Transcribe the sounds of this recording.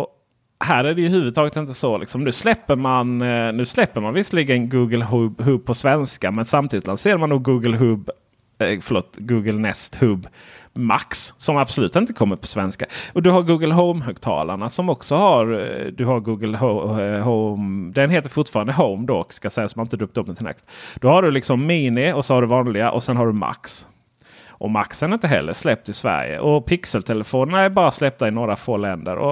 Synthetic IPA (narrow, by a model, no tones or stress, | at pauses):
ɔ | hæːɾæɖɛjɵhʉ̟ːvɵd̪t̪ʰɑːɡət̪ɪnt̪əsɔlɪ̰ksɔmnʉ̟ːslɛpːəɾmannʉ̟ːslɛpːəɾmanvɪsliɡənɡuːɡəlɦɵbɦɵb̚pʰɔsvɛnskamɛnsamt̪ʰiːd̪ɪt̪lanseːɾamanːuːɡuːɡəlɦɵb | fœɭo̰ːt̪ɡuːɡəlnɛst̪hɵbma̰ksːɔmab̥sɔlʉ̟ːt̪ɪnt̪əkʰɔmːəɾpʰɔ̥svɛnskaɔd̪ɵɦaɾɡuːɡəlɦɔʊmɦʉɡ̚t̪ʰɑ̰ːla̰ɳasɔmɔksɔhaɾd̪ɵhaɾɡuːɡəlɦɦomd̪ɛnɦeːt̪əɾfʊʈfɑːɾand̪əɦoʊmd̪okskasɛjːasɔmanɪnt̪d̪ɵːp̚t̪ɵp̚ːnət̪ʰɪlɛ̰kst̪d̪̥ɔhaɖɵlɪksɔmːiːnɪɔsɔhaɖɵvɑːnlɪɡaʔɔsɛnɦaɖɵma̰ks | ʔɔma̰ksəanɪnt̪əɦɛ̰lːə̰ʂlɛp̚t̪ɪsvæ̰ɾjə̰ʔɔpʰɪksəlt̪ʰɛləfoːnəɳaæɾbɑːɾaslɛp̚t̪aɪnoːɾafoːlɛnd̪ə̰ɾɔ̰